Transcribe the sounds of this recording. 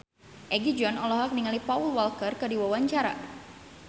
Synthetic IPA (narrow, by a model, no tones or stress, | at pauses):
ʔɛɡid͡ʒɔnɔlɔɦak̚niŋalipaulwalkərkədiwawaɲt͡ʃaɾa̰